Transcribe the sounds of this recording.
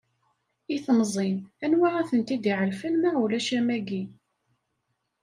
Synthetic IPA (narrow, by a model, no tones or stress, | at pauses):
iθmzˤinænwaʁæθənt̪id̪iʕəlfænmæʁulæʃæmæɡi